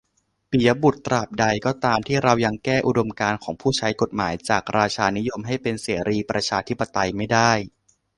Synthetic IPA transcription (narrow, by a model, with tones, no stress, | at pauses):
pi˨˩˦ɐ˦bu˨˩t̪ːɾaː˨˩p̚da˧jkɔː˥˩t̪aː˧mt̪ʰiː˥˩ɾa˧wja˧ŋkɛː˥˩ʔu˨˩do˧mkaː˧nkʰɔː˩˦ŋpʰuː˥˩t͡ɕʰa˦˥jko˨˩t̪̚maː˩˦jt͡ɕaː˨˩k̚ɾaː˧t͡ɕʰaː˧ni˦˥jo˧mɦa˥˩jpe˧nseː˩˦ɾiː˧pɾa˧t͡ɕʰaː˧t̪ʰi˦˥pːa˧t̪a˧jma˥˩jdaː˥˩j